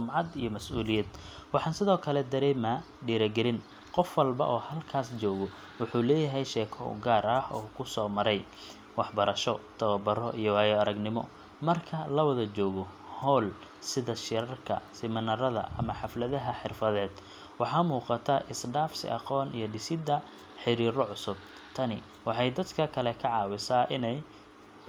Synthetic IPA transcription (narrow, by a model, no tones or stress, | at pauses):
ʊmʕɑd̪ijɔmɐsʔuːlɪjɐd̪wɑħɑːnsɪðɔːkʰɐlɛd̪ɐɾɛːmaː | ɖiːɾɐɡɛɾɪn | qɔfwɐlbɐ̰ʔɔːhɐlkʰaːst͡ʃɔːɣɔ | wʊħuːlɛːjɐɦɛjʃɛːkʰɔ̰ɡaːɾɐhɔːkʰʊsɔːmɐɾɛj | wɑħbɐɾɐʃɔt̪ʰɐβɐbɐɾɔʔijɔwɑjɔɐɾɐɡnɪmɔ̰ | mɐrkʰɐlɐwɐðɐt͡ʃɔːɣɔ | hɔːl | sɪðɐʃɪɾɐrkʰɐ̰sɪmɐnɐɾɐðɐ̰ʔɐmɐħɑflɐðɐɦɐħɪrfɐðɛːd̪̥ | wɑħɑːmuːqɑt̪ʰɐʔɪsɖaːfsɪ̰ʔɑqɔːnijɞɖɪsɪd̪ɐ | ħɪɾiːɾɔʕʊsʊb̚ | t̪ʰɐnɪ | wɑħɑjd̪ɐd̪kʰɐkʰɐlɛkʰɐʕɑːwɪsaːʔɪnɛj